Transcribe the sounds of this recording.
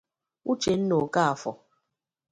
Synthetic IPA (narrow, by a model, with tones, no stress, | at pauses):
u˦t͡ʃe˨n̩˦no˨ka˦a˨fɔ˨